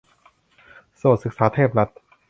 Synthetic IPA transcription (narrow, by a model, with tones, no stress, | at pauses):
soː˨˩t̪̚sɯ˨˩k̚saː˩˦t̪ʰeː˥˩p̚ɾa˦˥t̪̚